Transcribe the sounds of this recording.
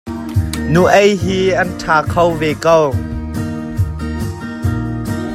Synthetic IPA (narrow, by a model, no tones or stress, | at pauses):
nuʔɐjɦiɐntʰaːkʰɐwvekəw